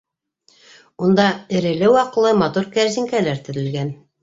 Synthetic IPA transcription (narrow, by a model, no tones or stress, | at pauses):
und̪ɑɘ̆ɾɘ̆lɘwɑqɤ̆lˠɤmɑt̪uɾkæɾzɘ̆ŋkælæɾt̪ɘ̆ɾɘ̆lɡæn